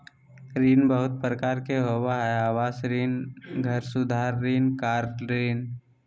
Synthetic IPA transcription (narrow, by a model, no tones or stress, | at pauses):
ɾiːnbəɦʊt̪̚pɾəkaːɾkeɦowaɦɛaːʋaːsɾiːnɡʱɐɾsʊd̪ʱaːɾːiːnkaːɾɾiːn